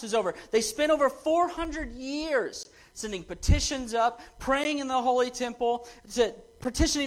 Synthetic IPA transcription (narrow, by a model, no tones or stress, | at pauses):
sɨzoʊvə˞ðeɪspɛ̃ɾ̃oʊvə˞fɔɹhʌ̃ndɹɨd̚jɪɹz̥ | sɛ̃ndɪ̃ŋpɨtʰɪʃɨ̃nzʌp̚ʰɹ̥eɪɪ̃ŋɨ̃nðəɦoʊlˠitʰɛ̃mpl̩ˠtʰɨpʰə˞tʰɪʃɨnɪ̃